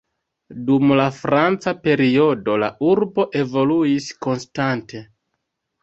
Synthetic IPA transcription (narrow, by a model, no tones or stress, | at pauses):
dumlafɾant͡sape̞ɾio̞do̞la̰ʔuɾbo̞ʔe̞vo̞luisko̞nstantʰe̞